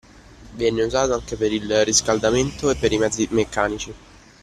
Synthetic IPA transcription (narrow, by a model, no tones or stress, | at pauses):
vjɛnːeuzaːt̪oaŋkepeɾilrːiskald̪ament̪oepːeɾimɛd̪zːimekːaːnit͡ʃi